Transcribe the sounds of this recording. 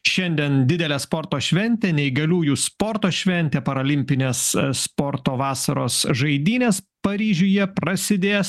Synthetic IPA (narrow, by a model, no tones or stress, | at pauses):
ʃʲɛnʲd̪ʲiɛnd̪ʲɪd̪ʲɛlʲɛspoɾt̪oːʃʲʋʲɛnʲt̪ʲeːnʲɛɪɡɐlʲuːjuːspoɾt̪oːʃʲʋʲɛnʲt̪ʲɛpɐɾɐlʲɪmʲpʲɪnʲeːsspoːɾt̪oːʋɑːsɐɾoːsʒɐɪd̪ʲiːnʲeːs | pɐɾʲiːʒʲʊːjɛpɾɐsʲɪd̪ʲeːs